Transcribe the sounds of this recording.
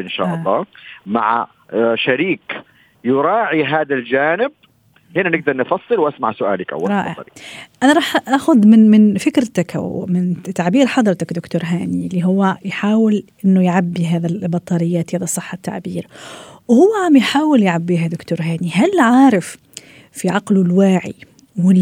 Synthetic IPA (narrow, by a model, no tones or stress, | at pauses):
ʔɪnʃa̰ːʔɑlˤːɑːma̰ʕa̰ | ʃaɾiːk | jʊɾˤɑːʕiɦaːd̪ald͡ʒaːnɪb̚ | hɪnanɪɡ̚d̪ɑɾˤnɪfɑsˤːɨlwʔasmaʕsʊʔa̰ːlikʔa̰wːaɾˤɑːʔɪ̰ʕˤɑ̰liʔanaɾˤɑːħʔaːxʊd̪mɪnmɪnfɪkɾt̪aka̰wmɪnt̪ːaʕbiːɾħɑd̪ˤɾˤt̪akd̪ʊkt̪uːɾɦaːnilːiɦʊwːajħaːwɪlʔɪnːʊjʕabːiɦaːðalbɑt̪ˤːɑɾɪjːaːt̪haːðɑsˤːɨħːat̪ʰːa̰ʕbiːɾwhʊwːaʕamjħaːwɪljʕabːiːɦad̪ʊkt̪uːɾˤɦaːniɦalʕaːɾˤɪf | fiʕɑqlulwaːʕḭ | wɪl